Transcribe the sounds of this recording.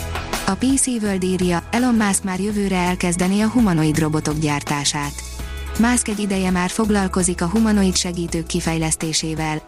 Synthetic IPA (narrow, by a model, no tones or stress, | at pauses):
ɒpiːsiːvøld̪iːrjɒɛlo̞mːaːsk̪maːrjø̞vøːɾɛɛlkɛzd̪ɛniɒɦumɒno̞id̪ro̞bo̞t̪o̞ɡɟaːrt̪aːʃaːt̪ | maːskɛɟːid̪ɛjɛmaːrfo̞ɡlɒlko̞zikɒɦumɒno̞it̪ʃɛɡiːt̪øːkːifɛjlɛst̪eːʃeːvɛl